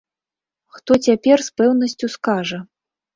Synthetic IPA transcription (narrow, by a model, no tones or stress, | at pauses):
xt̪ɔt͡sʲapʲɛrspɛwnɐsʲt͡sʲuskaʐɐ